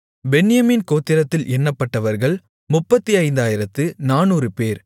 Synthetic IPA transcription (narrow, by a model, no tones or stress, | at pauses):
bɛnːɪjɐmiːnkoːt̪ːɪɾɐt̪ːɪlʔɛnːɐpːɐʈːɐʋɐɾɣɐɭ | mʊpːɐt̪ːiɐɪnd̪aːjɪɾɐt̪ːɯnaːnuːɾrɯpeːɾ